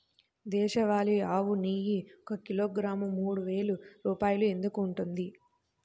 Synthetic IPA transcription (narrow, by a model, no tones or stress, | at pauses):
d̪ɛːʃɐʋaːliaːʋuniːjiɔkɐkiloːɡɾaːmumuːɽuʋe̞ːluɾuːpaːjulue̞nd̪ukuːɳʈund̪i